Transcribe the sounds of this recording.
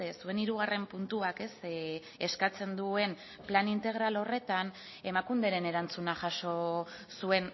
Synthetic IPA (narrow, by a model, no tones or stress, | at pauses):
sue̞niɾuɣ̞are̞mpunt̪uake̞s | e̞skat͡se̞nd̪ue̞n | planint̪e̞ɣ̞ɾalo̞re̞t̪an | e̞makund̪e̞ɾe̞ne̞ɾant͡sunaʝaso̞sue̞n